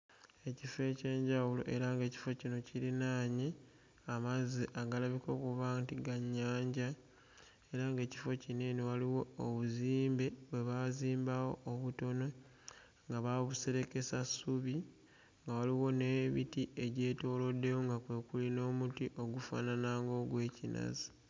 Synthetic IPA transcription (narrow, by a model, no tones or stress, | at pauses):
e̞cife̞ce̞ːɲɟawulo̞̰ʔe̞ɾaŋɡe̞ːci̥fo̞cino̞ciɾinaːɲe | amaziʔaɡalaβiko̞kuβaːntiɡaɲːaːɲɟa | e̞ɾaŋɡe̞ːci̥fo̞cineniwaliwo̞ːβuziːmbe̞βwe̞βaziːmbawo̞ːβuto̞no̞ | ŋɡaβaβuse̞ɾe̞ke̞sasuβi | ŋɡawaliwo̞ne̞βḭtieɟe̞ːto̞ːlo̞dːe̞woŋɡakwe̞kulino̞ːmutiʔo̞ɡufa̰ːnanaːŋɡo̞ɡwe̞ːcinʔa̰zi̥